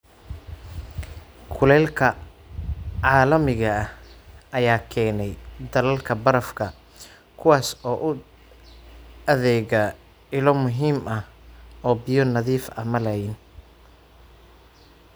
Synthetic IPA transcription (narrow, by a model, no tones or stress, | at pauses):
kʰʊlɛːlkʰɐ | ʕaːlɐmɪɣɐɐhɐjaːkʰɛːnɛjd̪ɐlɐlkʰɐbɐɾɐfkʰɐ | kʰʊwaːsɔːʔʊ | ɐðɛːɣɐ | ɪlɔmʊɦiːmʔɐhɔːbɪjɔnɐðiːfɐ̰mɐlɛjɪn